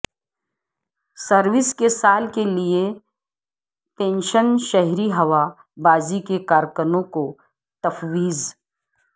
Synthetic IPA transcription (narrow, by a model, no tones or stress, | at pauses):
səɾʋɪskesaːlkelie | pẽːnʃənʃɛɦɾiɦɐʋa | baːzikekaːɾkəɾmõko | t̪ɐfʋiːz